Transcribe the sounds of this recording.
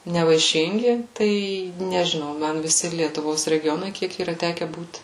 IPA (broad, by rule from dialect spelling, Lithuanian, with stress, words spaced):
nʲɛʋɐɪˈʃʲɪŋʲɡʲɪ ˈtɐɪ nʲɛʒʲɪˈnɐʊ ˈmɐn ʋʲɪˈsʲɪ lʲiɛtʊˈʋoːs rʲɛɡʲɪˈjoːnɐɪ ˈkʲiɛk iːˈrɐ ˈtʲæːkʲɛ buːt